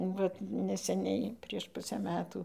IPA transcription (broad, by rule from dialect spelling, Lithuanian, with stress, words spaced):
ˈʋɐt nʲɛsʲɛˈnʲɛɪ pʲrʲiɛʃ ˈpʊsʲæː ˈmʲæːtuː